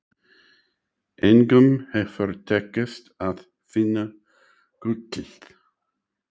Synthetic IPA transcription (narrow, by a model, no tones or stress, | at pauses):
ɛnɡəmhefɔɾt̪ʰɛkəst̪að | fɪnə | ɡ̥ʊtɪɬt̪